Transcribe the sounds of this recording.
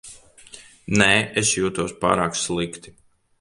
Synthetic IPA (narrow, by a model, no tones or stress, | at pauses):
nɛːesjuːt̪uɔspa̰ːɾaːkslˠikt̪i̥